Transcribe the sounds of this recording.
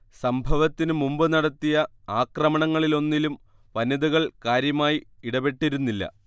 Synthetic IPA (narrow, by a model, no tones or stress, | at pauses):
sɐmbʱɐʋɐt̪ːinɨmumbɨnɐɽɐt̪ːijɐ | aːkrɐmɐɳɐŋːɐɭilo̞nːilum | ʋɐnːɐðuɣɐɭkaːɾjɐmaːjiiɽɐbe̞ʈːiɾunːilːɐ̰